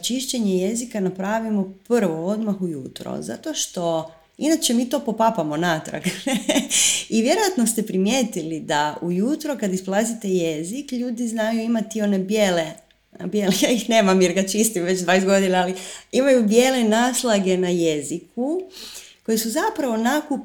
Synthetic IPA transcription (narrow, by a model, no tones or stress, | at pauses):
t͡ʃiʃt͡ɕe̞ɲeje̞zikanapɾaːʋimo̞pr̩ʋo̞o̞d̪maxujuːt̪ɾo̰za̰t̪o̞ʃt̪o̞ | inat͡ʃemiːt̪o̞po̞papamo̞naːt̪ɾa̰ɡ | iʋje̞ɾo̞jat̪no̞st̪e̞pɾimjeːt̪ilid̪aujuːt̪ɾo̞kad̪isplˠazit̪ejezikʎuːd̪iznajuimat̪io̞ne̞bjeːle | a̰bjelejaːixne̞ːmamjeɾɡat͡ʃist̪imʋe̞t͡ʃd̪ʋaːjet̪ɡo̞d̪inaːliimajubje̞le̞naːslˠaɡe̞naje̞ziku | ko̞jesuzapɾaʋo̞nakup